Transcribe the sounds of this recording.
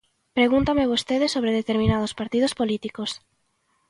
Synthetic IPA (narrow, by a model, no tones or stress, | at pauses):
pɾeɣunt̪ameβost̪eðesːoβɾeðet̪eɾmĩnað̞ospaɾt̪ið̞ospolit̪ikos